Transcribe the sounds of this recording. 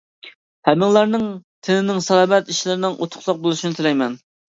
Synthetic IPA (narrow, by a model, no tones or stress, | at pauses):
hɛmɪŋlˠɑɾnɨŋt̪ʰɪnɪnɪŋsɑlɑmɛt̪iʃlɪɾɪnɪŋʔot̪ʰʊ̥χlˠɑq̚bolˠuʃinɪt̪ʰɪlɛjmɛn